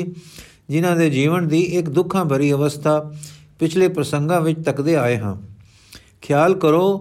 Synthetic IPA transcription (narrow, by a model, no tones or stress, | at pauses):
d͡ʒɪnãːd̪eːd͡ʒiːʋənd̪iːʔɪkd̪ʊkʰãːbʱəɾiːəʋəst̪ʰaːpɪt͡ʃʰleːpɾəsəŋɡãːʋɪt͡ʃt̪əkd̪eːaːeːɦã̰ː | kʰjaːlkəɾoː